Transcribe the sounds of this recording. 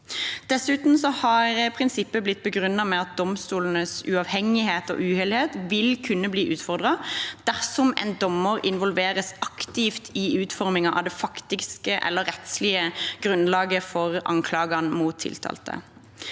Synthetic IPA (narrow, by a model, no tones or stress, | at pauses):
d̪̥ɛsʉːt̪n̩sɔhɑɾəpʰʁɪnsɪpːəblɪt̪̚ːbəɡɾʉnːɑmɛɑt̪̚d̪ɔmst̪uːln̩əsʉɑʋhɛŋɪheːt̪o̰ːʔʉheːlɪheːt̪ʋɪlkʰʉnːəbliːʔʉːt̪fɔʁd̪ʁɑd̪̥æʁsɔmɛ̰nd̪ɔməʁɪnʋɔlʋeːɾəsɑkt̪ɪft̪ʰɪʉːt̪fɔʁmɪŋɑʔɑ̰ʋd̪ɛfɑkt̪ɪɡskəʔɛ̰lːəɾɛt̪slɪəɡ̥ɾʉnlɑːɡəfɔʁʔɑ̰ŋkʰlɑːɡɑnmuːt̪ʰːɪ̰lt̪ʰɑ̰ːlt̪ʰə̰